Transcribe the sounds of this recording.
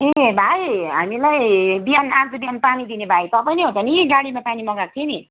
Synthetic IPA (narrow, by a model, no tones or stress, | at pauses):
ebʱajɦamilajbijanãd͡z̪ubianpanid̪inebʱajt̪ʌpajneɦõt̪ʰʌnikiɡaɽimapanimʌɡak̚t̪ʰieni